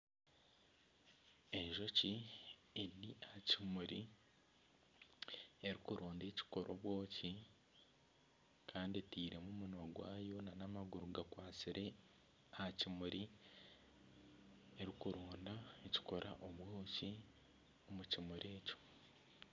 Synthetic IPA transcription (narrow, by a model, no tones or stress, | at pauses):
e̞ʒo̞ci | eiʔahacimuɾi | e̞ɾikuɾoːnde̞ːci̥ko̞ɾʔo̞̰βwo̞ːci | kʰaːndetiːɾe̞mumunwaɡwaːjo̞nanamaɡuɾuɡakwaːt͡siɾe̞ | ahacimuɾi | eɾikuɾoːndaeci̥ko̞ɾa̰ʔoβwoːci | omucimuɾe̞ːco̞̥